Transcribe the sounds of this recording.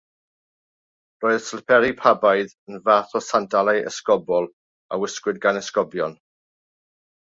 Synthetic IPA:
roːɨð̥slpʰɛɾipʰabajðənvaθɔsandalˠaʔə̰skɔbɔlˠ | awɪskwɪd̚ɡanɛskɔbjɔn

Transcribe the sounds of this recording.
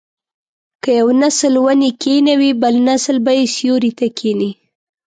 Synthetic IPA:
kəjawnaslwanikenawibalnaslbajesjoɾit̪akʰeni

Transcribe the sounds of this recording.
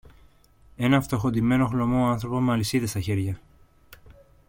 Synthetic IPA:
e̞nɐft̪o̞xod̪ime̞no̞xlo̞mo̞ɐnθɾo̞pomɐlisit̪est̪ɐçe̞ɾʝɐ

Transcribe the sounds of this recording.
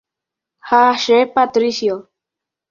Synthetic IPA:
haʃepat̪ɾisijo

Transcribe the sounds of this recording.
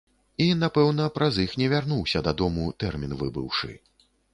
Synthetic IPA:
inapɛwn̪ɐpɾɐzixnʲɛvʲarnuwsʲɐd̪ad̪ɔmut̪ɛrmʲinvɨbɨ̰wʂɨ̰

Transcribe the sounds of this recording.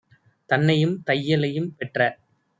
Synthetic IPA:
t̪ɐnːɐjɯmt̪ɐjːɐlɐjɯmpɛʈrɐ

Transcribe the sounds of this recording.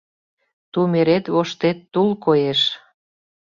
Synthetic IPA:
t̪umeɾet̪βoʃt̪et̪ːulkojeʃ

